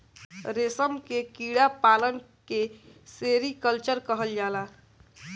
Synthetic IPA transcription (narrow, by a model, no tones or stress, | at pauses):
ɾesəmkekiɽapaːlən | keseɾikəlt͡ʃəɾkəɦəld͡ʒaːla